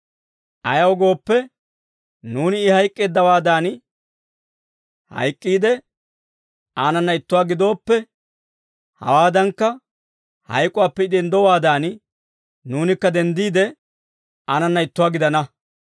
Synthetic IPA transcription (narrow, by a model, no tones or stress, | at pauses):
ʔɐjɐwɡo̞ːpːɛ | nuːnɪːhɐjkʼːeːd̪ːɐwaːd̪aːn | hɐ̰jkʼːiːd̪ɛ | aːnɐnːɐɪt̪ːʊwaːɡɪd̪o̞ːpːɛ | hɐ̰waːd̪ɐŋkːɐ | hɐ̰jkʼʊwaːpːɛɪd̪ɛnd̪ɔwaːd̪aːn | nuːnɪkːɐd̪ɛnd̪iːd̪ɛ | aːnɐnːɐɪt̪ːʊwaːɡɪd̪ɐnɐ